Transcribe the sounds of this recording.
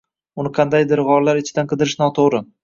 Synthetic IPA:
ʊnɪqʰɑnd̪ajd̪ɪɾʁɒɾlaɾɪt͡ʃʰɪd̪anqʰɨd̪ɪɾɪʃnɒt̪ʰoʁɾɪ

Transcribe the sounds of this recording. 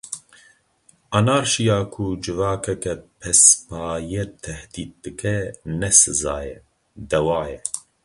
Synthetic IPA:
ɐnaːɾʃijaːkʰud͡ʒɨvɑːkʰɛkɛpʰɛspɑːjɛt̪ʰɛhd̪iːd̪̚d̪ɨkʰɛnɛsɨza̰ːjɛ | d̪ɛwɑːjɛ

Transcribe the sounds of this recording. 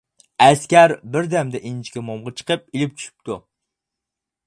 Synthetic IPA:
æskʲæɾbɪɾd̪æmd̪ɛʔint͡ʃkʲɛmɔmʁɑt͡ʃʰɨ̥qɨp̚ilɪp̚t͡ʃʰy̥ʃɪ̥p̚t̪ʰʊ

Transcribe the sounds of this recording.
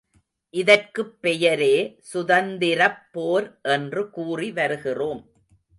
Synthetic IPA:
ʔɪðɐrkɯpːɛjɐɾeːsʊðɐnd̪ɪɾɐpːoːɾʔɛndrɯkuːriʋɐɾɯɣɪroːm

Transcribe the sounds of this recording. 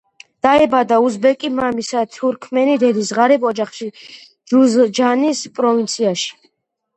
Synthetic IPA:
d̪̥aɛbad̪auzbɛkʼimamisat̪ʰuɾkʰmɛnid̪ɛd̪isʁaɾɛbɔd͡ʒaχʃi | d͡ʒuzd͡ʒanispʼɾɔvint̪sʰiaʃi̥

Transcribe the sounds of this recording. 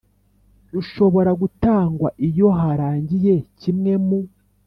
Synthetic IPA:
ɾuʃo̞βo̞ɾaɡutaːŋɡwa̰ʔijo̞ɦaɾaːɲɟije̞cimŋe̞mu

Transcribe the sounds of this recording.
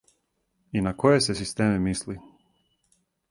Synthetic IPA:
inako̞jesesist̪eːmimisli

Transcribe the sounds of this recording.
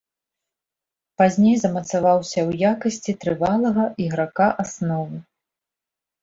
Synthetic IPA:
pazʲnʲejzɐmɐt̪savawsʲɐwjakɐsʲt͡sʲit̪ɾɨvalˠɐɣɐʔiɣɾakaʔasnɔvɨ

